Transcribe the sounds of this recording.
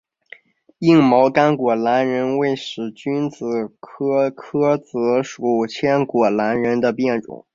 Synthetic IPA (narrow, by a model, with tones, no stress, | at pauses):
i˥˩ŋmɑ˧˥ʊka˥nkwɔ˨˩la˧˥nɻə˧˥nwe˥˩ɪʂɻ̩˨˩t͡ɕy˥nt͡sɹ̩˨˩kʰɤ˥kʰɤ˥t͡sɤ˧˥ʂu˧˥˩t͡ɕʰjɛ˥nkwɔ˨˩la˧˥nɻə˧˥nd̪ə˧pjɛ˥˩nʈ͡ʂʊ̰˨˩˦ŋ